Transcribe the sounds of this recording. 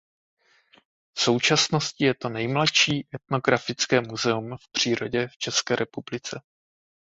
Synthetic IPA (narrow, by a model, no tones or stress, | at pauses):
fso̞wt͡ʃasno̞scɪjɛt̪o̞nɛjmlatʃiːʔɛt̪̚no̞ɡɾafɪt͡skɛːmuzɛumfpr̝̥iːɾo̞ɟɛft͡ʃɛskɛːɾʔɛpublɪt͡sɛ